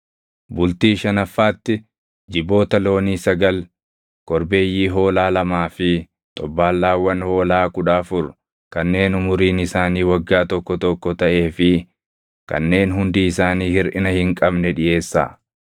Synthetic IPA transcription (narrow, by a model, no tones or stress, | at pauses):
bʊlt̪iːʃɐnɐfːaːt̪ːɪ | d͡ʒɪbo̞ːt̪ɐlo̞ːniːsɐɡɐl | kɔɾbe̞ːjːiːɦo̞ːlaːlɐmaːfɪ | t̪ʼɔbːaːlːaːwːɐnho̞ːlaːkʊᶑaːfʊɾ | kɐnːe̞ːnʊmʊɾiːnɪsaːniːwɐɡːaːt̪ɔkːɔt̪ɔkːɔt̪ɐʔe̞ːfɪ | kɐ̰nːe̞ːnɦʊnd̪iːɪsaːniːhɪɾʔɪnɐhɪŋkʼɐbnɛᶑɪje̞ːsːa̰ː